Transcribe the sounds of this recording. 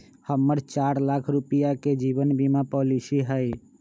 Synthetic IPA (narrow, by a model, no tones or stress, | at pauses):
həmːəɾt͡ʃaɾlakʰɾupijaked͡ʒibənbimapɔlisiɦəj